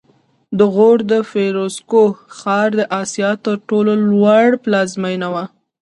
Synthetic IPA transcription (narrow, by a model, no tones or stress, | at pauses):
d̪əɣoɽd̪əfeɾoskoxɑɾd̪əʔɑsijɑt̪əɾʈololwaɽplɑzmajnawa